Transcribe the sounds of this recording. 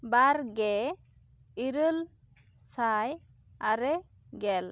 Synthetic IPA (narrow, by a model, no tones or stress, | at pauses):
baɾɡɛ | iɾəl | saj | aɾɛ | ɡɛl